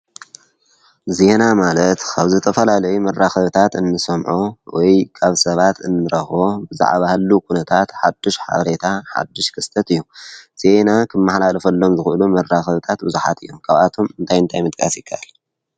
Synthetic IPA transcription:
ze̞namalɐt̪kʰaβzɨt̪ʰɐfɐlalɐjumɐrːaxɐβt̪ʰat̪ɨnːɨsɐmʕowɔjkʰaβsɐβat̪ɨnːɨɾɐxβo̞bɨza̰ʕβahɨlːukʰunɐt̪ʰat̪ħa̰d̪ːiʃħa̰βɾet̪ʰaħa̰d̪ːɪʃkʰɨst̪ʰɐt̪ɨjːuz̥enakʰɨmːaħlalɐfɐlːo̞mzɨxʔɨlumɐraxɐβɨt̪ʰat̪̚bɨzuħa̰t̪ʰɨjːomkʰaβʔat̪ʰo̞mɨnt̪ʰajɨnt̪ʰajmɨd̪̚kʼasjɪkʰːɐ̰ʔal

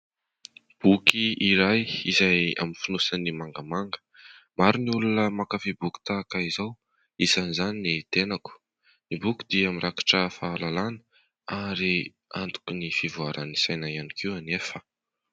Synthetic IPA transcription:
b̥ukiiɾajizaja̰minfinusanimaŋɡəmaŋɡə̥ | maɾuniulunəmakafibuki̥t̪akaizaw | izanizaninit̪enaku̥ | nibukʲi̥d̪iamiɾakḁʈ͡ʂəfaːlalanə̥ | aɾi | a̰nt̪u̥kunifivuaɾanisajnajanikʰiwanefə

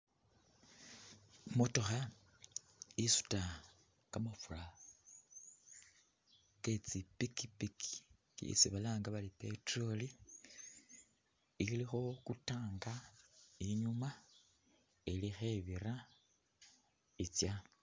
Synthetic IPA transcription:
moto̞xa | isu̥ta | kamafula | ket͡sipikipiki̥̰ | ḭsiβalaːŋɡaβalipe̞tro̞li | iilixo̞kutaːŋɡaiɲuma | elixe̞βiɾa | it͡sja

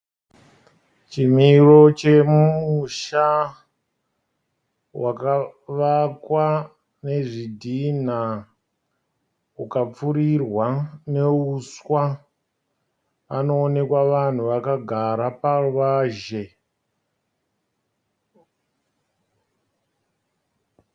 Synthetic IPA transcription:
t͡ʃim̤iro̞t͡ʃe̞mumuʃa | waka | ʋakwa | ne̞ʐidʱin̤a | ukap͡furirwane̞uswa | ʋano̞ːne̞kwaʋan̤uʋakaɡʱaɾaparuʋaːʒe̞

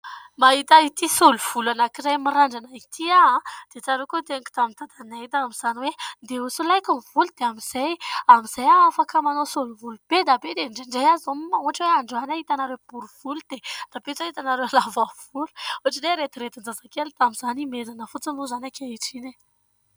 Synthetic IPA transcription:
maɦit̪ait̪isoluv̥ulanakiɾajmiɾaɳɖ͡ʐanait̪ʰiaad̪̥et͡saɾekut̪eɲki̥t̪amint̪ad̪anait̪aamiz̥aniwed̪eusulajkəvulud̪̥eamiz̥ajamiz̥ajaːfakəmanosoluvulub̥ed̪abed̪eɳɖ͡ʐeɳɖ͡ʐejazomauɦaʈ͡ʂweaɳɖ͡ʐanait̪anaɾewb̥uɾuv̥ulud̪̥ed̪̥abet͡sait̪anaɾewalavav̥ulu̥uaʈ͡ʂiɖ͡ʐeɾet̪iɾet̪ind͡zazakelt̪amiz̥animezanəfut͡sinuzanakʰaiʈ͡ʂine

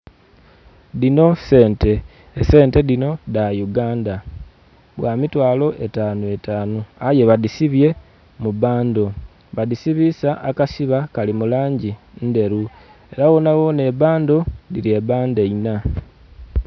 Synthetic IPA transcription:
ðino̞se̞ːnte̞ː | se̞ːnte̞ðino̞ðajuɡaːnda | βwaːmitwaːlo̞ʔe̞taːnue̞taːnuaje̞βaðisiβje̞ | muβaːndo̞ | βaðisiβisaʔakasiβakalimulaːɲɟinde̞ɾu | e̞ɾawo̞nawo̞ne̞βaːndo̞ðiɾie̞βaːnde̞ina

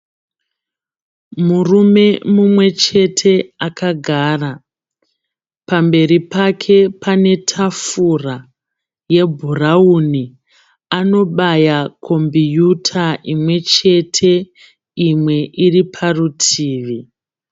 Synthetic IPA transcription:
murume̞mumwe̞t͡ʃe̞tʰe̞akaɡʱaːra | pambe̞ɾipakʰe̞pane̞tʰafura | je̞bʱurauni | ano̞ɓajakʰo̞mbijutʰaʔimwe̞t͡ʃe̞tʰe | imwe̞ʔiripʰarutʰiːʋi

